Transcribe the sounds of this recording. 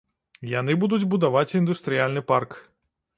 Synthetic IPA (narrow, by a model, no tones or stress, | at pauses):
jan̪ɨbud̪ud͡zʲbud̪avat͡sʲind̪ust̪ɾɨjalʲnɨpark